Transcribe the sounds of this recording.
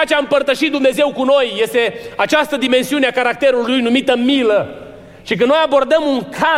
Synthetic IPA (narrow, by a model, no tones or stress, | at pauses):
at͡ʃeaɨmpərt̪əʃit̪̚d̪umne̞ze̞wkuno̞jːe̞st̪e̞at͡ʃast̪əd̪ime̞nsiuneakaɾak̚t̪e̞ɾulːujnumit̪əmilə | ʃik̬ənno̞jabo̞rd̪əmuŋkʰa